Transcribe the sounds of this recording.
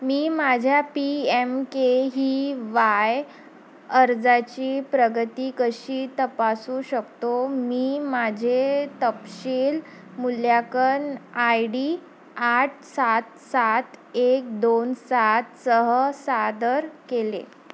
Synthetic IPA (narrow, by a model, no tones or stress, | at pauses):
miːmad͡ʑʱjapiemkeɦiːʋaj | əɾd͡zat͡ɕiːpɾəɡət̪iːkəɕiːt̪əpasuːɕəkt̪omiːmad͡ʑʱet̪əpɕiːl | muljakənajɖiː | aʈ̚ʰsat̪sat̪ek̚d̪onsat̪səɦəsad̪əɾkelḛ